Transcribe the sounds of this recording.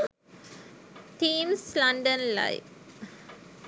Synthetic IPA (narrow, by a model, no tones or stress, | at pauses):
ʈĩːmslãɳɖə̃nla̰ɪʋ